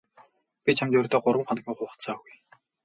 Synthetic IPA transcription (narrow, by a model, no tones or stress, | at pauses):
pʲit͡ɕʰamt̪ɵrt̪ɔːɢʊɾwə̆mχɔn̆ɡʲiːŋχʊːχə̥̆t̪t͡saːɣuj